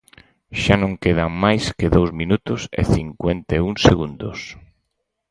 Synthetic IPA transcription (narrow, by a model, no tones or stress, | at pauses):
ʃanõŋkeð̞aŋmajskeðowzminut̪ʊsḛθiŋkwent̪euŋseɣund̪os